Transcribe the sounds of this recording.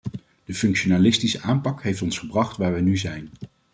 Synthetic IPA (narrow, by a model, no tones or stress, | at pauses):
d̥əfɵŋkʃonaːlɪstisəʔaːmpɑkɦejftɔnsχəbrɑχtʋaːɹʋɛjnyzɛjn